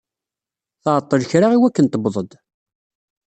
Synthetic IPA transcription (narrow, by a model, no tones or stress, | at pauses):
θʕt̪ˤːəðçɾaʁiwækːənt̪əbðˤəd̪